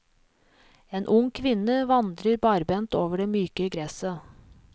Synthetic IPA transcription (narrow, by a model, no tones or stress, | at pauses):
eːnʔʊŋkʰʋɪnəʋɑnd̪ɾəɾbɑːɾbɛnt̪oːʋəɖeːmyːkəɡɾɛsə